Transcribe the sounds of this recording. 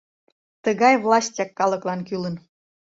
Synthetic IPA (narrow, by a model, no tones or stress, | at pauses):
t̪əɣɑjvlɑsʲtʲɑkːɑləklɑnkylən